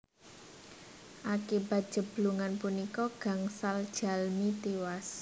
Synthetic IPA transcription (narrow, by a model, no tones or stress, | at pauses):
ʔakiba̤t̪̚d̥ʒ̥ə̤b̥luŋanpunikɔɡ̥ä̤ŋsald̥ʒ̥a̤lmit̪iwas